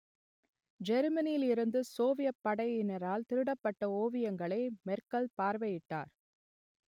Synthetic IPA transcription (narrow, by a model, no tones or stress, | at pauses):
d͡ʒɛɾmɐnɪjɪlɪɾɯnd̪ɯsoːʋɪjɐpːɐɽɐjɪnɐɾaːlt̪ɪɾɯɽɐpːɐʈːɐoːʋɪjɐŋɡɐɭɐɪmɛɾkɐlpaːɾʋɐjɪʈːa̰ːɾ